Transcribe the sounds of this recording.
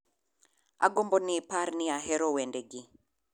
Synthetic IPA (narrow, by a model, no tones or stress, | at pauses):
a̰ɡɔmbɔnipaɾniaɦɛɾɔwɛndɛɡi